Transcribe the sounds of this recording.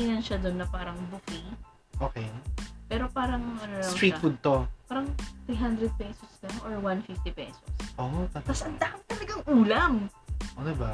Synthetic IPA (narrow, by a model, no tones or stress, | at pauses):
inɐnʃɐd̪onːɐpaːɾɐŋbʊki | ʔoːkɛjpɛːɾopaːɾɐŋŋɐnosaw̪ɾiːt̪fʊd̪̚t̪opaːɾɐŋt̪ɾiɦand̪ɾɛd̪̚pɛsoslɐŋʔoɹwanfɪft̪ipɛ̰so̰sʔot̪ɐt̪ɐsʔɐnd̪aʔɐŋt̪ɐlɐɡaŋʔuːlɐŋʔod̪ɪba